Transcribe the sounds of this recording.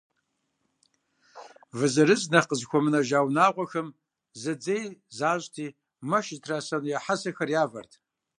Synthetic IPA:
vɨzɐɾɨznɐqəzkʷʰɔmɨnɐʒaːwnaːʁʷɔxɐm | zɐd͡zejzaːɕʼtʰiː | mɐʃɪtʰraːsɐnjaħasɐxɐrjaːvɐ̰rtʰ

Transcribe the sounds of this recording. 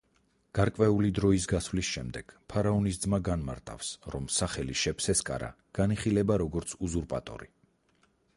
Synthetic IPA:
ɡ̥aɾkʼwɛulid̪ɾɔis̬ɡasvlisʃɛmd̪ɛɡ̥pʰaɾaɔnisd̪zmaɡanma̰ɾt̪ʼa̰fsɾɔmsaχɛliʃɛpʰsɛskʼa̰ɾa̰ | ɡ̥aniχilɛbaɾɔɡɔɾt̪sʰuzuɾpʼat̪ʼɔ̰ɾi

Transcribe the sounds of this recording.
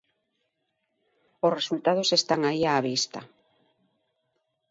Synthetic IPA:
ʊsresult̪að̞ʊsest̪aŋaiaːβist̪ɐ

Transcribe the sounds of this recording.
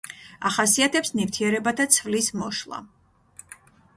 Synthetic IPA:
aχasiat̪ʰɛpsnivt̪ʰiɛɾɛbat̪ʰat̪sʰvlismɔʃlˠa̰

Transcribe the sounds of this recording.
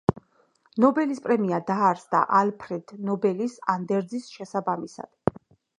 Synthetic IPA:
nɔbɛlispʼɾɛmiad̪aːɾsd̪a̰ʔalpʰɾɛd̪̥nɔbɛlisand̪ɛɾd̪zisʃɛsabamisa̰d̪̥

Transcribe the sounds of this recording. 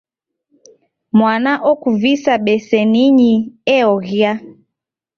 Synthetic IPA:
mwanaʔɔkuvisaɓɛsɛniɲiɛɔɣia

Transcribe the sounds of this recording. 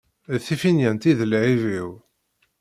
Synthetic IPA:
θifinjænt̪iðəlʕiviw

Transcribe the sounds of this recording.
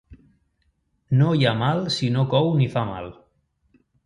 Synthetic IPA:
nojamalsinokɔwnifama̰l

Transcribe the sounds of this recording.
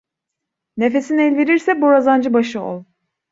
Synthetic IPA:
ne̞fe̞sinɛlʲviɾiɾsɛbuɾazand͡ʒɯbaʃɯo̰lˠ

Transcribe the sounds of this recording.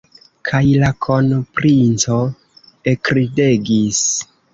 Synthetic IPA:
kʰajlakʰo̞npɾint͡so̞ | ekɾide̞ɡis

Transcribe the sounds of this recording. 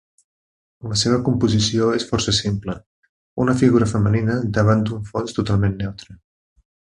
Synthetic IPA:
ləseβ̞əkumpuzisioesfɔrsəsimplə | unəfiɣuɾəfəməninəd̪əβ̞and̪uɱfɔnst̪ut̪alˠmenːɛwt̪ɾə

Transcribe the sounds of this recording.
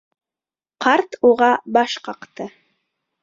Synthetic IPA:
qʰɑɾt̪uʁɑbɑʃqɑqt̪ɤ

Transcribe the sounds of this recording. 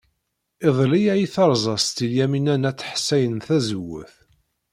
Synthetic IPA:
ɪðˤlijæjiθɑɾˤzˤɑsˤt̪iljæminænæt͡sːħsːæjənθæzəwːə̰θ

